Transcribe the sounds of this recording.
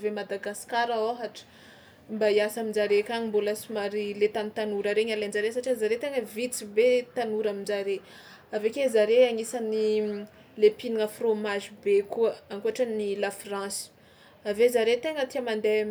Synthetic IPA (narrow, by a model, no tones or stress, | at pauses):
vemad̪aɡaskaɾaoɦaʈ͡ʂə̥ | mbaiasamind͡ʒaɾekʲaŋimbolasimaɾilet̪anit̪anuɾaɾeɲalend͡ʒaɾesaʈ͡ʂizaɾet̪eŋəvit͡sibet̪anuɾamind͡ʒaɾe | avekezaɾeaŋisani | lepiniŋəfromaʒibekuəaŋkuaʈ͡ʂanilafrãsi̥ | avezaɾet̪eŋət̪iamand̪e